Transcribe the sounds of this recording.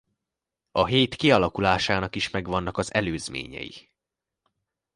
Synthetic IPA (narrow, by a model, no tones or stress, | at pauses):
ɒɦeːt̪kiɒlɒkulaːʃaːnɒkiʃmɛɡʋɒnːɒkɒzɛløːzmḛːɲɛ̰jḭ